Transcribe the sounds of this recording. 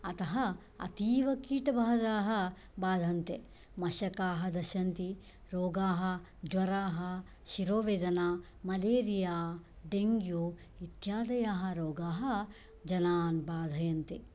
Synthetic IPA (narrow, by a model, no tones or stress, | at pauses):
ɐt̪ɐɦɐ | ɐ̰t̪iːʋɐkiːʈɐbʱaːd̪aːɦɐ̆ | baːd̪ʱɐnt̪e | mɐʃɐkaːɦɐd̪ɐʃɐnt̪i | ɾoːɡaːɦɐ̆ | d͡ʒwɐɾaːɦɐ | ʃiɾoːʋeːd̪ɐnaː | mɐleːɾijaː | ɖeŋɡjoː | it̪jaːd̪ɐjaːɦɐ̆ɾoːɡaːɦɐ | d͡ʒɐnaːnbaːd̪ʱɐjɐnt̪e